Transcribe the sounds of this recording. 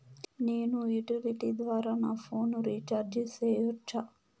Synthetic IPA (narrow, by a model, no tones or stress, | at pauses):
niːnujuʈiliʈid̪ʋaːɾaːnafoːnuɾit͡ʃaɾd͡ʒiseːjut͡ʃa